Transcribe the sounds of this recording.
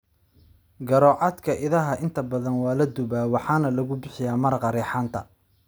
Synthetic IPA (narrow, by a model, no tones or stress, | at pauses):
ɡɐɾɔːʕɑd̪kʰɐʔɪðɐɦɐʔɪnt̪ʰɐbɐðɐnwɑːlɐd̪ʊβaːwɑħɑːnɐlɐɣʊbɪħɪjaːmɐrqɑɾɛːħɑːnt̪ʰɐ